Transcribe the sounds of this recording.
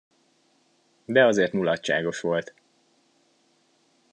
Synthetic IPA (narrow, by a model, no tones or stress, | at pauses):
d̪ɛɒzeːrt̪nulɒtt͡ʃa̰ːɡo̞ʃʋo̞lt̪